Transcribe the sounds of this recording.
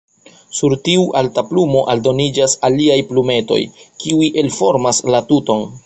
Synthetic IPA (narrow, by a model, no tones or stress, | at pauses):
suɾtiuʔaltaplumo̞ʔaldo̞nid͡ʒasaliajplume̞to̞̰jkiuiʔe̞lfo̞ɾmaslatuto̞n